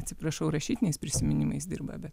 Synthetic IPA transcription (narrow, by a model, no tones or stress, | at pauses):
t̪ʲsʲɪpɾɐʃɐʊɾɐʃʲiːt̪ʲɪnʲɛɪspʲɾʲɪsʲɪmʲɪnʲɪmɐɪsd̪ʲɪ̰ɾbɐ̰bʲɛt̪